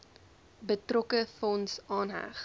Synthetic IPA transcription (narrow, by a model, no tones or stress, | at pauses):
bətrɔkəfɔnsɑːnɦæ̰χ